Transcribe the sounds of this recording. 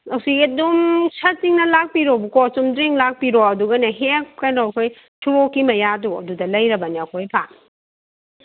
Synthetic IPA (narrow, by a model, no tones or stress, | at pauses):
ɐwsiɡidumsɐtiŋnɐlak̚piɾobukɔsumdɾiŋlak̚piɾɔɐduɡɐnɐɦekkajnɔkʰoj | tʰuokːimɐjaduɐ̰dudɐlɐjɾɐbɐniɐkʰojpʰaŋ